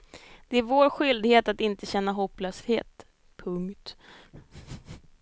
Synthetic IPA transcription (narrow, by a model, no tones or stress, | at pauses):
d̪̥ɛæɾvoːɾɧʏld̪heːt̪at̪ɪnt̪əɕɛnːaɦɔpːløːshḛːt̪ | pʰɵŋkt̪